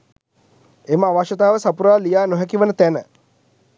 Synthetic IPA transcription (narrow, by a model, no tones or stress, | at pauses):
eməaʋaʃət̪aːʋəsapuɾaːlijaːnoɦɛkiʋənət̪ænə